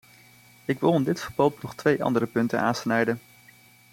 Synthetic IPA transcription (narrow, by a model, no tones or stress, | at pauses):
ɪɡʋɪlˠɪndɪtfəɹbolˠpnɔχtʋejʔɑ̰ndərəpɵntəna̰ːnsnɛjdən